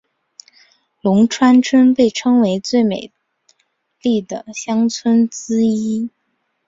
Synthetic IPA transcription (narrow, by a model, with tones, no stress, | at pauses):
lʊ˧˥ŋʈ͡ʂʰwa˥nʈ͡ʂʰə˥npe˥˩ɪʈ͡ʂʰɤ˥ŋwe˧˥ɪt͡swe˥˩ɪmḛ˨˩ɪ | li˥˩d̪ə˩ɕjɑ˥ŋt͡sʰwə˥nt͡sɹ̩˥i˥